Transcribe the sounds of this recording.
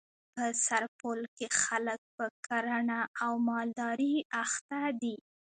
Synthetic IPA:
pəsaɾpolkexalək̚pəkaɾaɳaːwmɑld̪ɑɾiaxt̪ad̪i

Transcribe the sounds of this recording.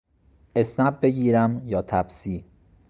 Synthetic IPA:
e̞snæb̚be̞ɡiːɾæmjɒːt̪ʰæbsiː

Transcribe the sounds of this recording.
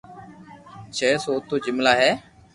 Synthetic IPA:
t͡ʃʰɛːsoːt̪ʰːoːd͡ʒɪmlaːɦɛː

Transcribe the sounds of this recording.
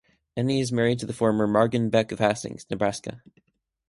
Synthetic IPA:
ɛniɨzmɛɹid̚tʰɨðəfɔɹmə˞mɑɹɡɨ̃n̩bɛkʌv̥æsɪ̰̃ŋz̥nɨbɹæskɨ̰

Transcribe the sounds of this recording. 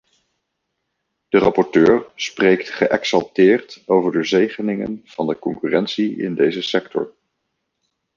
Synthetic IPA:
d̥ərɑpɔɹtøːɹsprejktχəʔɛksɑlˠtɪːɹtowvəɹdəzejχənɪŋə̰nv̥ɑndəkɔŋkyrɛnsiɪ̰ndejzəsɛktʰɔ̰ɹ

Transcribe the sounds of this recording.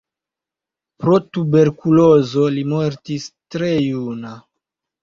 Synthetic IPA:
pɾo̞tube̞ɾkulo̞zo̞limo̞ɾtistɾe̞juna

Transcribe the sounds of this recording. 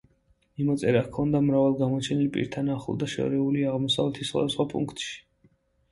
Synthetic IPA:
mimɔt̪sʼɛɾakʰɔnd̪amɾavalˠɡamɔt͡ʃʰɛnilpʼḭɾt̪ʰanaχṵlˠd̪aʃɔ̰ɾɛuliaʁmɔsavlɛt̪ʰisχwa̰d̪asχwapʼṵŋkʰt̪ʼʃi̥

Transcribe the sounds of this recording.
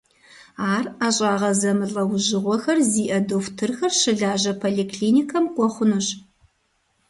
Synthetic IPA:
aːraːɕʼaːʁɐzɐmɨɮʼɐwʒɪʁʷɔxɐrziːʔɐdoftʰɨrxɐrʃɨɮaːʑɐpʰoːɮiːkʰliːnikʰɐmqʷɔχʷʊnuɕ

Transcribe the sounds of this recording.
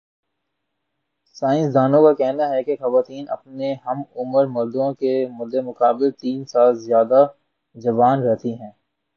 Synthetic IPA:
saːɪ̃nsd̪aːnõkakɛɦnaɦɛkexɐʋaːt̪iːnɐ̰pneɦɐmʊməɾmʊɾd̪õkemʊd̪ʱːemʊkaːbɪlt̪iːnsaːlzjaːd̪a | d͡ʒɐʋaːnɾɛɦt̪iɦɛ̃ː

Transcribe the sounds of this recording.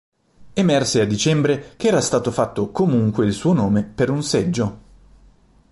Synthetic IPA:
emɛrsead̪it͡ʃɛmbɾekeɛːɾast̪aːt̪ofat̪ːokomuŋkweilsuːonoːmepeɾunsɛd͡ʒːo

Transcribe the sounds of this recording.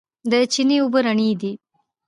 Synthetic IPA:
d̪ət͡ʃiniubəɾɐɳiːd̪i

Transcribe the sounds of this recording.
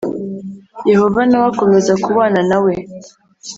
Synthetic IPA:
je̞ho̞vanawako̞me̞zakuβaːnanawe̞

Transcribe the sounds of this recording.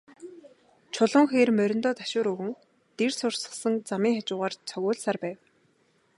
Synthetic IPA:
t͡ɕʰʊɮɞ̆ŋxeːrmœɾʲɪ̆nt̪ɔːt̪ḁʃʊːɾɵɣɘ̆ŋ | t̪ersʊrsə̥̆χsə̆ŋt͡samiːŋxat͡ɕʊːʁaːrt͡sʰœɣʲʊːɮsaːrpæːw

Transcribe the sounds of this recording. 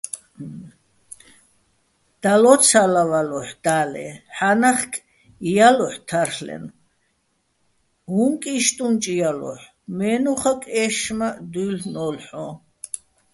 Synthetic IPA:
d̪̥alɔt͡sʰalavalɔħd̪̥aːlɛ̰ħanaχkʰʼ | ijalɔħt̪ʰaɾlɛ̰n | ɦuŋkʼiʃt̪ʼunt͡ʃʼijalɔ̰ħ | mɛːnuχakʼɛʃmad̪ulnɔlħɔ

